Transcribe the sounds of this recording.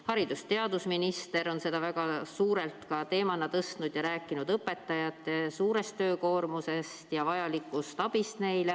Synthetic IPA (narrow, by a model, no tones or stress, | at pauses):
hɑɾid̪̥ust̪e̞ɑd̪̥usminist̪e̞ɾo̞nse̞d̪̥ɑvæɡ̥ɑsuːɾe̞lt̪kɑt̪e̞ːmɑnːɑt̪ɤst̪nud̪̥jɑɾæːkːˑinud̪ɤpːe̞t̪ːɑjɑt̪ːˑesuːɾe̞st̪ːø̞ːko̞ːrmuse̞st̪jɑvɑjɑlikːˑust̪ɑb̥ist̪ne̞jle